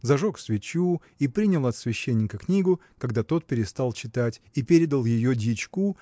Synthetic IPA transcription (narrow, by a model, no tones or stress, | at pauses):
zɐʐoksvʲɪt͡ɕu | ipɾʲinʲɪəlˠɐt̪svʲɪɕːenʲːɪkəknʲiɡʊ | kɐɡd̪at̪o̞t̪̚pʲɪɾʲɪst̪alˠt͡ɕɪt̪atʲipʲeɾʲɪd̪əlˠjɪjodʲit͡ɕku